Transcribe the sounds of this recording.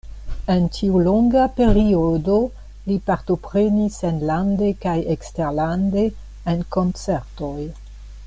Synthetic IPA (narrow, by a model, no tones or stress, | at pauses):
e̞ntʰiulo̞ŋɡape̞ɾiodo̞ | lipaɾto̞pɾe̞nisenlande̞kajeksteɾlande̞ː | nko̞nt͡se̞ɾto̞j